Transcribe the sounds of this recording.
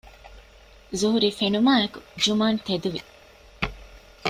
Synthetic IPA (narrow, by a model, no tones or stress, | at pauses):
zuɦuɾiːfenumaːekud͡ʒumaːnt̪ed̪uʋi